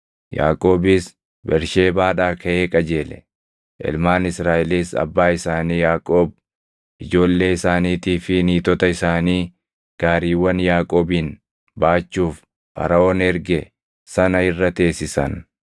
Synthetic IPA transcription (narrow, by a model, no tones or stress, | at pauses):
ja̰ːkʼo̞ːbɪs | bɛɾʃe̞ːbaːᶑaːkʰɐʔeːkʼɐd͡ʒe̞ːlɛ̰ | ʔɛ̰lmaːnɪsɾaːʔɪliːsɐ̰bːaːɪsaːniːjaːkʼoːb̚ | ʔɪd͡ʒo̞ːlːe̞ːɪsaːniːt̪iːfɪniːt̪ɔt̪ɐɪsaːniː | ɡ̥aːɾiːwːɐnjaːkʼoːbiːn | baːt͡ʃːuːf | pɐ̰ɾɐoːnɛɾɡɛ | sɐnɐɪrːɐt̪e̞ːsɪsɐ̰n